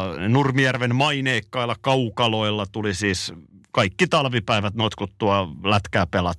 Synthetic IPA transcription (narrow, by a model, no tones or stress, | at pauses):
nurmijærʋenmɑineːkːɑilːɑkɑukɑloilːɑt̪ulisiːskɑikːit̪ɑlʋipæiʋæt̪not̪kut̪ːuɑlæt̪kæːpelɑt̪ː